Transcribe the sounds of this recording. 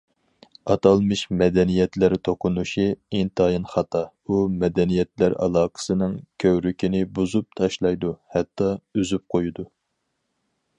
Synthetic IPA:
ɑt̪ɑlˠmɨʃmɛd̪ɛnijɛt̪lɪɾt̪ʰoqʰʊnuʃiint̪ʰɑjinχɑt̪ɑ | umɛd̪ɛnijɛt̪læɾɑ̰lˠɑːqʰə̥sɨnɨŋkʲʰøwɾykʲʰinɪbuzup̚t̪ʰɑʃlˠɑjd̪uhɛt̪ːɑyzyp̚qʰojud̪u

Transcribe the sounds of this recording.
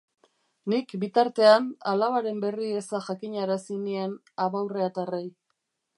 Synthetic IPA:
nikbit̪aɾt̪e̞analaβaɾe̞mbe̞riesaʝakiɲaɾasinie̞n | aβawreat̪arej

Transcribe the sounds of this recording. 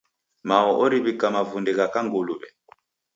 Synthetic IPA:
maɔʔɔɾiβikamavundiɣakaŋɡoluβɛ̰

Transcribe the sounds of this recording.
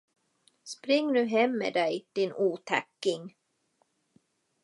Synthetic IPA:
spɾɪŋːnʉ̟ːɦɛmːḛːd̪ɛjd̪̥ɪnʔuːt̪ʰa̰kːɪŋ

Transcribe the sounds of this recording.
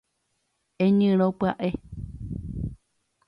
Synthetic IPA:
ẽɲɨ̃ɾ̃õpɨaʔe

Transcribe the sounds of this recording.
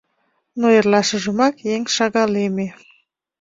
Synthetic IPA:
noerlɑʃə̆ʒəmɑkjeŋʃɑɣɑleme

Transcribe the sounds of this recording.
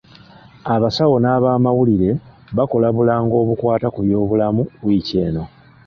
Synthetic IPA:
aβasawo̞naːβaːmawuliɾe̞ | βako̞laβulaːŋɡo̞ːβukwaːtakuβjo̞ːβulamuβwiːce̞ːno̞

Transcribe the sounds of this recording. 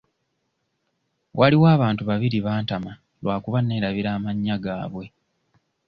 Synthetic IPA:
wʔaliwaːβaːntuβaβiɾiβaːntama | lwaːkuβanːe̞ːɾaβiɾaːmaɲːaɡaːβwe̞

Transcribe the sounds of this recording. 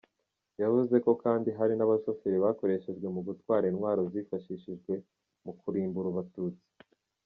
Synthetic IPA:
javuze̞ko̞kaːndiɦaɾinaβaʃo̞feɾiβako̞ɾe̞ʃe̞ʒɡwe̞muɡutwaːɾinwaːɾo̞ziːfaʃiʃiʒɡwe̞ | mukuɾiːmbuɾuβatuːt͡si̥

